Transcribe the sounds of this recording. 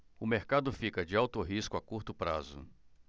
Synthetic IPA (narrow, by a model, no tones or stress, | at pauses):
ʊmeɾkad̪ʊfikɐd͡ʒɪawt̪ʊɦiskʊakuɾt̪ʊpɾa̰zʊ̰